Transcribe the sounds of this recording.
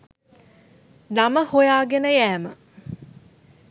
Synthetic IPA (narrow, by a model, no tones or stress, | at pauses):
naməhojaːɡenəjæːmə